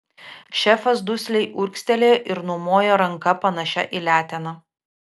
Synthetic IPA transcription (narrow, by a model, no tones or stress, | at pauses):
ʃʲɛfɐsd̪ʊsʲlʲɛɪʔʊɾʲksʲt̪ʲɛlʲeːʔɪɾnʊmoːjoɾɐŋkɐpɐnɐʃʲɛ̰ʔiːlʲæːt̪ʲɛnɐ